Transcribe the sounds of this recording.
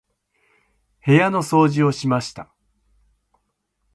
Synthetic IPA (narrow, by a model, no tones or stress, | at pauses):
he̞jano̞so̞ːʑio̞ɕimaɕi̥t̪a